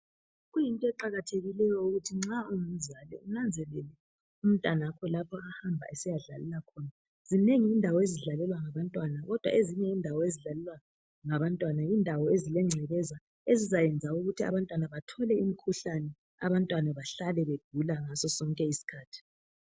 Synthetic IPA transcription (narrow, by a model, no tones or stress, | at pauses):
ɣujintʼɔɛǃaɣatʰeɣilɛjɔuɣutʰiŋ͡ǁauŋm̩zʱalɛ̰unand͡zʱɛlɛlɛ | um̩tʼanaakʰɔlapʰɔahambʱa̰ʔɛsijaɮa̰lɛlakʰɔːna | z̥ineŋiːndʱawɔeziɮalɛlwaŋaβantʼwanaɣɔd̥ʱwa̰ʔeziɲɛindʱawɔeziɮalɛlwa | ŋaβantʼwanaindʱawɔezilɛŋ͡ǀʱɛɣɛza | ezizajɛnd͡zʱauɣutʰia̰βantʼwanaβatʰɔlɛimikʰuɬanɛ | a̰βantʼwanaβaɬalɛβeɡ̥ʱulaŋasɔsɔŋkʼɛisi̥kʰaːtʰi̥